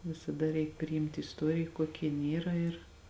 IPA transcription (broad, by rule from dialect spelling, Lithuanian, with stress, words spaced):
ʋʲɪsɐˈdɐ rʲɛɪk pʲrʲɪˈɪmʲtʲɪ ɪsˈtuɔrʲɪj ˈkuɔkʲɛ jɪnʲˈiːrɐ ɪr